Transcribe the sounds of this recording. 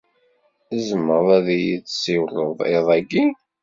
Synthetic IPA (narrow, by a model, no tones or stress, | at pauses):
əzməɾˤæðjit͡sːsiwrˤəðˤeðˤæɡi